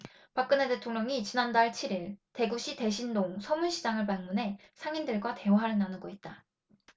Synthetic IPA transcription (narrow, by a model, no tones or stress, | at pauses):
pak͈ɯne̞de̞tʰoŋɲʌŋit͡ɕinandaɭt͡ɕʰiɾiɭte̞ɡuɕʰite̞ɕʰindoŋsʰʌmuɕʰid͡ʑaŋɯɭpaŋmunɦe̞sʰaŋindɯɭɡwate̞oɦaɾɯnanɯɡʌit̚t͈a